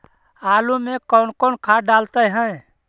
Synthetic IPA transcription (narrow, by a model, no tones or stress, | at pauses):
alumekɔʊnkɔnkʰaɖalt̪əjɦə̃j